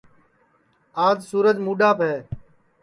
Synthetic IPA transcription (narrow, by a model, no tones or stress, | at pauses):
aːd͡ʒsuːɾəd͡ʒmuːɗaːpɦɛː